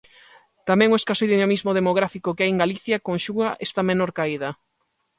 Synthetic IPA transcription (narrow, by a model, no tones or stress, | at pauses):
t̪amɛ̃ŋoeskasojðinomizmoðemoɣɾafikokeajeŋɡaliθjɐkoŋʃuɣaʔest̪amenoɾkaiðɐ